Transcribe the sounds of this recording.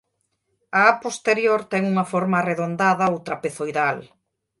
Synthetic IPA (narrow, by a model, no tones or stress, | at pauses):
aapost̪eɾjoɾt̪ɛŋuŋɐfoɾmareðond̪aðɐowt̪ɾɐpeθojðal